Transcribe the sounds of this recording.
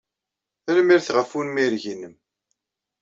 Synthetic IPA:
əlmiɾθʁəfunmiɾʝinːəm

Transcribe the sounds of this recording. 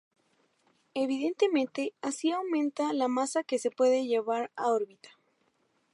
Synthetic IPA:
e̞βiðe̞nt̪e̞mẽnt̪e̞asiawmẽ̞nt̪alamasake̞se̞pwe̞ðe̞ʝe̞βaɾao̞ɾβit̪ḁ

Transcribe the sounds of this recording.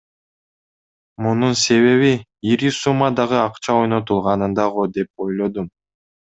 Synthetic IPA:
mununse̞βe̞βiiɾisumːɑd̪ɑʁɯɑqt͡ʃɑo̞jno̞t̪ulˠʁɑnɯnd̪ɑʁod̪e̞p̚o̞jlˠo̞d̪um

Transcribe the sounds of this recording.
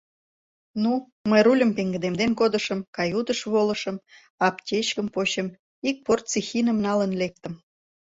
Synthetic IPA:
nu | məjrulʲə̆mpeŋɡəd̪emd̪enkod̪əʃəmkɑjud̪əʃβoləʃəm | ɑptʲet͡ɕkəmpoɕəm | ik̚port̪t͡sixinə̆mnɑlənlek̚t̪ə̆m

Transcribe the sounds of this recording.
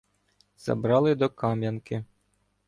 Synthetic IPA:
z̥ɐ̰bɾɑlˠɪd̪ɔkɑmʲjankɪ

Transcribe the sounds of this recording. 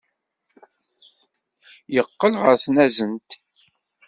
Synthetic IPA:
jəqːəlʁəɾθnæzənt̪

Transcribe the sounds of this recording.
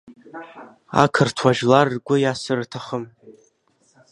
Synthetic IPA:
a̰kʰɨrtʰwaʒlarːɡʷʊjasɨrtʰaχəm

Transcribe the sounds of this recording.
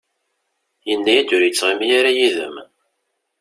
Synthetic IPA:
jənːæjæd̪ʊɾjət͡sːʁimjaɾajiðə̰m

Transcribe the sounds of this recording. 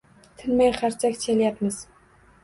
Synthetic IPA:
t̪ʰɪnmajχaɾt͡ʃʰakʲt͡ʃʰelijapmɪz̥

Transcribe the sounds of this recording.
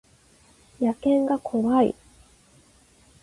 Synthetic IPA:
jakẽ̞ŋɡakʰo̞βaḭ

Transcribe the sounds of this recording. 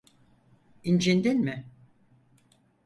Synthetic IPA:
ind͡ʒend̪enmɪ

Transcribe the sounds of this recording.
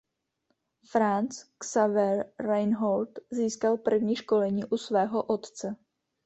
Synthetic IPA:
fɾant͡sksavɛɾːajnɦolt̪ziːskalpr̩vɲiːʃkolɛɲiːʔusvɛːɦoʔot̪t͡sɛ

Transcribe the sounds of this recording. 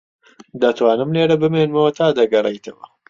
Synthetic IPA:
d̪ɐt̪waːnɨmleːɾɐbɨmenmɐwɐt̪ʰaːd̪ɐɡɐrejt̪ʰɐwɐ̰

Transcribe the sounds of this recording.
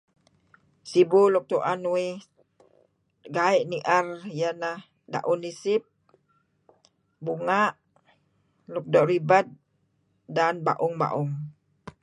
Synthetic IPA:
sibuluk̚t̪uʔanuwi | ɡaiʔniʔarjənah | da̰ʔunːisɪp̚ | buŋaʔ | luk̚dɔʔɾibat̪̚ | danba̰ʔʊŋba̰ʔʊŋ

